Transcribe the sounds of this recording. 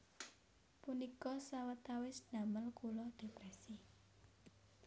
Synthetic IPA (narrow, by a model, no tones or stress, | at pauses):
punikɔsawət̪awɪsnaməlkulɔd̪̥e̤pɾɛsi